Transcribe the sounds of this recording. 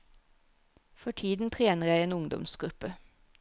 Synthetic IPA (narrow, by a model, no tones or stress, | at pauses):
fɔʈʰiːd̪n̩t̪ʰʁeːnəʁjæɪeːnʊŋd̪ɔ̰msɡ̥ɾʉpə